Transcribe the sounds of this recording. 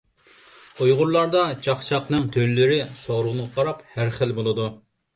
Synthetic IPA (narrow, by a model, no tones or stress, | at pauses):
ojʁʊɾlˠɑɾd̪ɑt͡ʃɑχt͡ʃʰɑqnɨŋt̪ʰøllɪɾɪsoʁɾʊʁnɨʁɑqʰɑɾɑphæɾχəlbolˠɨd̪u